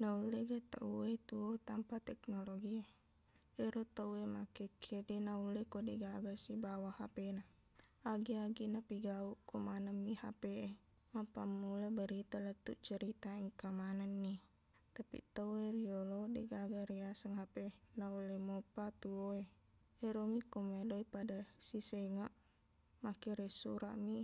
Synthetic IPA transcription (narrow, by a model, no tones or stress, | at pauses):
nauleɡat̪a̰ʔuet̪uot̪ampat̪ɛknɔloɡie | ɛɾot̪auemakekʰedɛnaulekodɛɡaɡasibawahapena | aɡiaɡinapiɡaukɔmanəmiha̰pee | mapamːulabəɾit̪alət̪ːṵʔt͡ʃəɾit̪aiŋkamanənːi | t̪apḭt̪əweriolodeɡaɡaɾiasəŋɦapenaulɛmopat̪uoe | eɾomikomedoipadasiseŋaʔ | makeɾesuɾa̰ʔmi